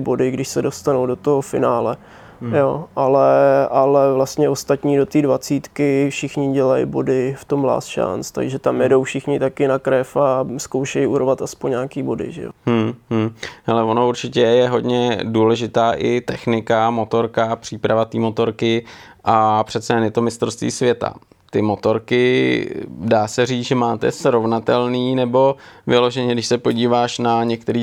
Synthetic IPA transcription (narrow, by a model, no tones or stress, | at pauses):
bo̞dɪɡdɪʃsɛdo̞st̪anowdo̞t̪oɦofɪnaːlɛ | joːʔalɛʔalɛvlast̪ɲɛo̞st̪at̪ɲiːdo̞t̪iːdvat͡siːt̪kɪfʃɪxɲɪɟɛlajḭbo̞dɪft̪o̞mla̰ːsʃa̰nt͡st̪a̰ɡʒɛt̪amjɛdo̞wfʃɪxɲɪt̪akɪnakɾɛfasko̞wʃɛjʔuɾovat̪aspoɲɲaːkiːbo̞dɪ̰ʒɛ̰jo̰mm̩ɦ̩halɛvo̞nouɾt͡ʃɪcɛjɛɦo̞dɲɛduːlɛʒɪt̪aːʔɪ̰t̪ɛxnɪkamo̞t̪o̞ɾkapr̝̥iːpɾavat̪iːmo̞t̪o̞ɾkɪ | ʔapr̝̥ɛt̪sɛjɛnjɛt̪o̞mɪst̪ɾost̪vḭːsvjɛt̪a̰ | t̪ɪmo̞t̪o̞ɾkɪ | daːsɛriːt͡sʒɛmaːt̪ɛ̰sɾovnat̪ɛlniːnɛbo̞vɪlo̞ʒɛɲɛdɪʃsɛpo̞ɟiːvaːʃnaɲɛk̚t̪ɛɾiː